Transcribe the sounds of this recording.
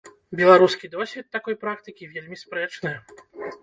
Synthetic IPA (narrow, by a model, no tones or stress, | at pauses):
bʲɛlˠaɾuskʲid̪ɔsʲvʲit̪ːakɔjpɾakt̪ɨkʲivʲelʲmʲispɾɛt͡ʂnɨj